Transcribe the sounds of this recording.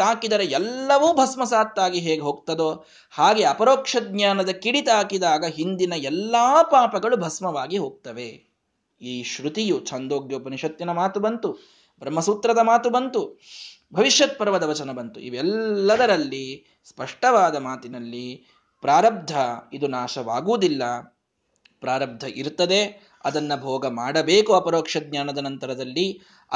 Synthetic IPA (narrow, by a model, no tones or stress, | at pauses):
aːkid̪ɐɾeɛlːɐʋuːbʱɐsmɐsaːt̪ːaːɡiɦeːɡeɦoːɡ̚t̪ɐd̪oː | haːɡeɐpɐɾoːkʂɐd̪̚ɲaːnɐd̪ɐkiɽit̪aːkid̪aːɡɐɦind̪inɐɛlːaːpaːpɐɡɐɭubʱɐsmɐʋaːɡiɦoːɡ̚t̪ɐʋe | iːʃɾut̪ijut͡ʃʰɐnd̪oːɡjoːpɐniʃɐt̪jinɐmaːt̪ubɐnt̪u | bɾɐmːɐsut̪ɾɐd̪ɐmaːt̪ubɐnt̪u | bʱɐʋiʃjɐt̪̚pɐɾʋɐd̪ɐʋɐt͡ʃɐnɐbɐnt̪ṵʔḭʋɛlːɐd̪ɐɾɐlːi | spɐʂʈɐʋaːd̪ɐmaːt̪inɐlːi | pɾaːɾɐb̚d̪ʱɐid̪unaːʃɐʋaːɡuːd̪ilːɐ | pɾaːɾɐb̚d̪ʱɐʔiɾt̪ɐd̪e | ɐd̪ɐnːɐbʱɔːɡɐmaːɽɐbeːkuɐpɐɾoːkʂɐd̪̚ɲaːnɐd̪ɐnɐnt̪ɐɾɐd̪ɐlːi